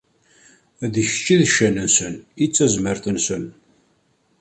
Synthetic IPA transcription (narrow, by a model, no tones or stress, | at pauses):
æðiçt͡ʃːiðʃːænənsənit͡sːæzməɾθənsən